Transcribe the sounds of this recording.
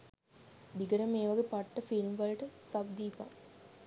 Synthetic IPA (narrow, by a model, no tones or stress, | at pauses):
d̪iɡɐɾɐmeːʋɐɡepɐʈːɐfilmʋɐlʈəsɐbd̪ipa̰